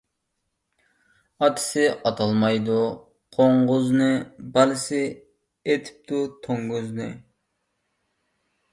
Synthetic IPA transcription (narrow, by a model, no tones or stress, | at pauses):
ɑt̪ʰɪ̥sɪʔɑt̪ʰɑlˠmɑjd̪u | qʰoɴʁʊznɨbælɪsɪ | et̪ʰɪ̥p̚t̪ut̪ʰoŋɡyznɪ